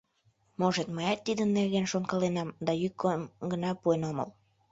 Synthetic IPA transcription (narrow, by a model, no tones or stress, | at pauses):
moʒet̪məjɑt̪ːid̪ənːerɣenʃonkɑlenɑmd̪ɑjykːomɡənɑpuenomə̰l